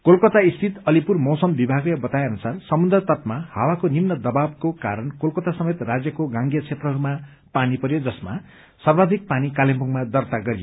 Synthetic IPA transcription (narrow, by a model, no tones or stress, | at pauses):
kolkʌt̪aist̪ʰit̪ʌlipurmʌwsʌmbibʱaɡʌbʌt̪ajʌnusarsʌmund̪rʌt̪ʌt̪maha̰wakonimnʌd̪ʌbab̚kokaɾʌnkolkʌt̪asʌmet̪rad͡zjʌkoɡãŋɡjʌt͡sʰet̪rʌɦʌɾuma | panipʌɾjod͡zʌsma̰ | sʌrbad̪ʱik̚panikalempuŋmad̪ʌrt̪aɡʌɾijo̰